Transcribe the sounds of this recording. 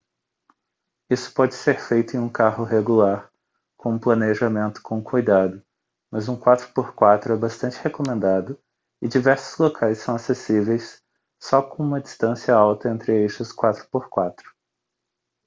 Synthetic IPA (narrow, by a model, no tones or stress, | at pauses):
isʊ̥pɔd͡ʒɪseɾfejt̪ʊẽj̃ũkahʊɦeɡulaɾ | kõũplɐneʒamẽnt̪ʊ̥kʰõkʰujd̪ad̪ʊ | mɐzũkwat̪ɾʊ̥poɾkwat̪ɾʊɛbast̪ɐ̃nt͡ʃɪhekomẽnd̪ad̪ʊ | ɪd͡ʒivɛɾsʊ̥zlokʰajsːɐ̃w̃asesivejsː | ɔkõũmɐd͡ʒist̪ɐ̃siɐawt̪ɐẽnt̪ɾɪejʃɐʊskwat̪ɾʊ̥poɾkwat̪ɾʊ̥